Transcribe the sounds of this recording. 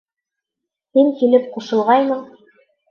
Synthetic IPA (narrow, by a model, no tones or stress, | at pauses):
hiŋkilɘp̚quʃɤ̆lˠʁɑjnɤɴ